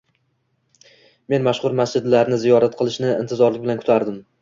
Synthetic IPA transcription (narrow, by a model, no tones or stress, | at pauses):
me̞nmaʃχʊɾmasd͡ʒɪd̪laɾnɪzijɒɾat̪qʰɨlˠɪʃnɪɪ̰nt̪ʰɪzɒɾlɪkʲbɪlankʰʊt̪ʰaɾd̪ɪm